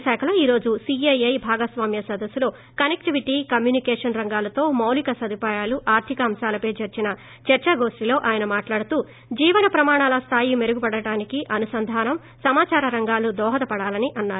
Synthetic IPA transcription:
ʃɛːkʰɐloːiːɾo̞ːd͡ʒusiɐjɐjbʱaːɡɐsʋaːmjɐsɐd̪ɐsuloː | kɐnekʈiʋiʈikɐmjuːnikɛːʂɐnɾɐŋɡaːlɐt̪o̞ːmɐwlikɐsɐd̪ʱipaːjaːluʔaːɾt̪ʰikɐːmʃaːlɐpɐːd͡ʒɐɾt͡ʃinɐ | t͡ʃɐɾt͡ʃɐɡo̞ːʂʈilo̞ːʔaːjɐnɐmaːʈlaːɽut̪uː | d͡ʒiːʋɐnɐpɾɐmaːɳaːlɐst̪ʰaːjime̞ɾuɡubɐɽɐɽaːnikiʔɐnusɐnd̪ʱaːnɐm | sɐmaːt͡ʃaːɾɐɾɐŋɡaːlud̪ɔːɦɐt̪ɐpɐɽaːlɐniʔɐnːaːɾu

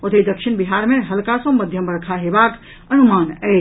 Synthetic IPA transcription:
ot̪ed̪əkʃiñbiɦaɾmeɦəlkasɔ̃məd̪ʱjəmbəɽkʰaɦebak | ənumanɛ

